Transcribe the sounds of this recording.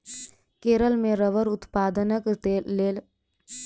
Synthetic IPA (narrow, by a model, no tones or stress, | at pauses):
keːɾəlmẽɾəʋəɾʊt̪paːd̪ənəkt̪eːeːl